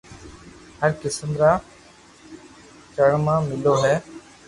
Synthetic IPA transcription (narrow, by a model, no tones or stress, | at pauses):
həɾkɪsəmɾaː | t͡ʃəɽmãːmɪloːɦɛː